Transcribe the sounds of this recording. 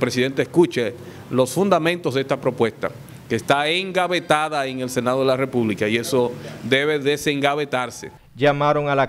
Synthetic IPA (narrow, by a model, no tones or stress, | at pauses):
pɾe̞siðe̞nt̪eskut͡ʃe | lo̞sfund̪amẽnt̪osðeest̪apɾo̞pwe̞st̪a̰ | keːst̪aeŋɡaβe̞t̪aðaeŋe̞lse̞naðo̞ðelare̞puβlikaie̞sod̪e̞βe̞ðe̞se̞ŋɡaβet̪aɾse̞̰ | d͡ʒamaɾoŋala